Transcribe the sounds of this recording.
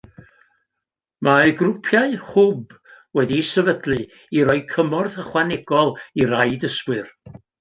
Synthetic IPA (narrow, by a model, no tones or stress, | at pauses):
maɡrʊpʰjaɨhʊb | wɛdisəvədlɨ | iɾɔɨkʰəmɔrθəχwanɛɡ̥ɔlˠiɾajdəskwɨr